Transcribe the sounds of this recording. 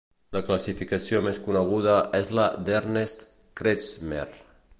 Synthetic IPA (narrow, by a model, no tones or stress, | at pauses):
laklasifikasiomeskunəɣ̞uð̞əʔezlad̪eɾnest̪ | kɾet͡smḛr